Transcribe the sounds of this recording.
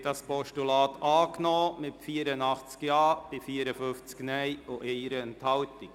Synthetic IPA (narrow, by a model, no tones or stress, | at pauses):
dɑspɔʃtulɑːt̪ɑːknɔːmɪtfiːəɾənɑχt͡skjɑːb̥ɪfiːəɾəfʏft͡sknɛɪʔʊʔeɾəɛnthɑltɪk